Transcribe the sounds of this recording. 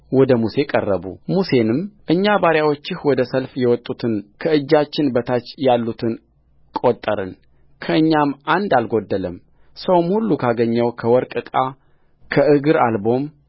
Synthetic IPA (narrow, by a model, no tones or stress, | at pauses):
wɔd̪əmuse̞kʼərːəbṵmuse̞nɨmʔɨɲːabaɾjawot͡ʃːɪhwɔd̪əsəlfjɛwɔt̪ʼːut̪ʰɨnkʰəɨd͡ʒːat͡ʃːɪnbət̪ʰat͡ʃːjalːut̪ʰɨn | kʼot̪ʼːəɾɨ̰n | kʰəɨɲːamʔand̪alɡo̞d̪ːələm | səwmhulːukʰaɡəɲːəwkʰəwɔɾkʼɨkʼa | kʰəʔɨɡɨɾalbo̞m